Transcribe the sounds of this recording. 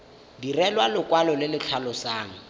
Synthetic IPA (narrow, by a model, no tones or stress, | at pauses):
dirɛlwalʊkwalɔlɪlɪt͡ɬʰalɔsaːŋ̩